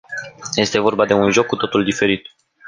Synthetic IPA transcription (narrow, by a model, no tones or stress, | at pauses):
je̞st̪e̞vo̞rbad̪e̞unʒo̞kːut̪o̞t̪uld̪ife̞ɾit̪